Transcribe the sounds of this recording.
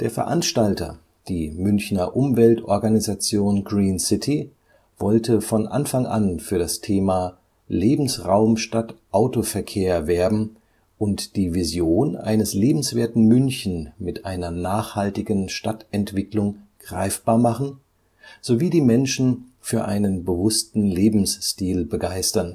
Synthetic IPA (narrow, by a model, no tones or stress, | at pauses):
d̥eːɐfɛɐʔanʃtaltɐ̰ | d̥iːmʏnçnɐʔʊmvɛltʔɔɐɡanizat͡sjoːnɡʁiːnsɪtʰi | vɔltəfɔnʔa̰nfaŋʔa̰nfyːɐɾastʰeːmaː | leːbm̩sʁaʊmʃtatʔaʊtofɛɐkʰeːɐvɛɐbm̩ | ʔʊntd̥iːvizjoːnʔa̰ɪnəsleːbm̩sv̥eːɐtn̩mʏnçn̩mɪtʔa̰ɪnɐnaːχhaltɪɡn̩ʃtatɛntv̥ɪklʊŋɡ̥ʁa̰ɪfb̥aːɐmaχn̩ | z̥oviːdiːmɛnʃn̩fyːɐʔa̰ɪnənbəvʊstn̩leːbm̩sʃtiːlbəɡaɪstɐn